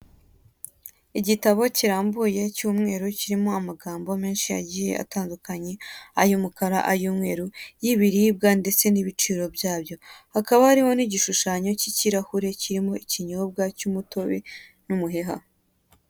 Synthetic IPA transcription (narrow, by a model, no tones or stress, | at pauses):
iɟitaβo̞ciɾaːmbuje̞cuːmŋe̞ːɾuciɾimo̞amaɡaːmbo̞me̞ːnʃija̰ɟije̞̰a̰taːndukaɲe̞ajumukaɾa̰ʔajuːmŋe̞̰ːɾujiβiɾib̚ɡande̞t͡se̞niβit͡ʃiːɾo̞bjaːbjo̞hakaβahaɾiho̞niɟiʃuʃaːɲo̞ciciɾahuɾe̞ciɾimo̞iciɲoːb̚ɡacumuto̞βḛ | numuɦeɦa̰